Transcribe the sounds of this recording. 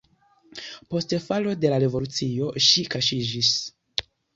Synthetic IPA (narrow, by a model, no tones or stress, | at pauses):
po̞stefalo̞de̞laɾe̞vo̞lut͡sio̞ʃikaʃid͡ʒis